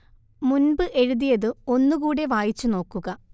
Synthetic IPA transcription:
munbɨʔe̞ɻuðijɐðɨo̞nːuɣuːɽe̞ʋaːjit͡ɕːuno̞ːkːuɣɐ

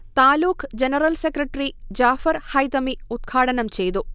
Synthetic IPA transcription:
t̪aːluːkʰd͡ʑenɐrɐlsekrɐʈːrid͡ʑaːfɐɾhɐjt̪ɐmiud̪̚ɡʰʱaːʈɐnɐmt͡ɕe̞jt̪u

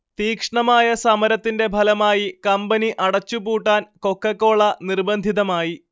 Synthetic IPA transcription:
t̪iːkʂɐɳɐmaːjɐsɐmɐɾɐt̪ːinde̞bʱɐlɐmaːjikɐmbɐniʔɐɽɐt͡ɕːupuːʈːaːnko̞kːɐkːo̞ːɭɐnirbɐnd̪ʱiðɐmaːji

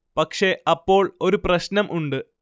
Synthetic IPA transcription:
pɐkʂe̞ɐpːo̞ːɭo̞ɾuprɐɕnɐmʔuɳɖɨ

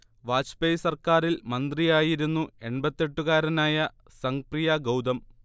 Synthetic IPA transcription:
ʋaːt͡ɕpejsɐrkaːɾilmɐnd̪rijaːjiɾunːue̞ɳbɐt̪ːe̞ʈːuɣaːɾɐnaːjɐ | sɐŋkrijɐɡɐwd̪ɐm

